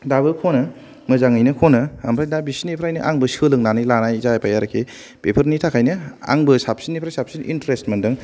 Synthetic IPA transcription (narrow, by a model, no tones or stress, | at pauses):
dabɯkʰonɯ | mɯzaŋɯjnɯkʰonɯɐmpʰɾajdabisinipʰɾajnɯ̰ʔaŋbɯsɯlɯŋnanɯjlanajzajapajaɾɐkʰe | pepʰɯɾnitʰakʰajnɯa̰ŋbɯsap̚sinːipʰɾajsapsinʔḭntɾestmendɯŋ